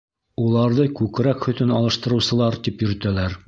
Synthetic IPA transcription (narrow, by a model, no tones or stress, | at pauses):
ulˠɑɾðɤkʉkɾækhɵ̆t̪ɵnɑlˠɤ̆ʃt̪ɤ̆ɾɤ̆wsɤ̆lˠɑɾt̪ipjɵ̆ɾɘ̆t̪ælæɾ